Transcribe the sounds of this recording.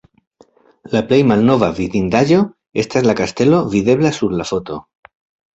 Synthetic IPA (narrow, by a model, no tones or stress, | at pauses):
laplejmalno̞βaviðind̪aʒo̞ | e̞st̪azlakast̪e̞lo̞viðe̞βlasuɾlafo̞t̪o̞